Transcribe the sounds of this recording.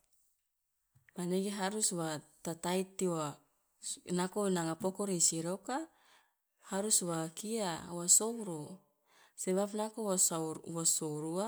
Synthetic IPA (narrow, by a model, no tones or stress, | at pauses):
maneɡiɦaɾuswat̪at̪ait̪ːia | nakonaŋapokoɾesiɾoka | haɾuswakiawasowɾo | seβapnakoswasoɾua